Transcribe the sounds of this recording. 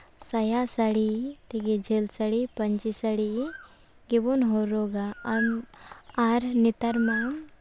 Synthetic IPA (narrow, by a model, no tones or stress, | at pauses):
sɐjasaɽit̪iɡed͡ʒelsɐɽipɐɲt͡ʃisɐɽi | ɡibonɦoɾoɡa | aɾnit̪ɐɾma